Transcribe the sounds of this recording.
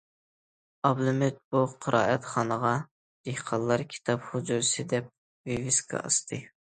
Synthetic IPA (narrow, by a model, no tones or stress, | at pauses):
ɑblɨmɪt̪̚buqʰəɾʔɑ̰ːʔɛt̪χɑnəʁɑ | d̪̥ehqʰɑlˠːɑɾkʲʰi̥t̪ʰɑpχud͡ʒ̪uɾsɨd̪ɛp̚ | vivɪskʰɑ̰ɑ̰st̪ʰɨ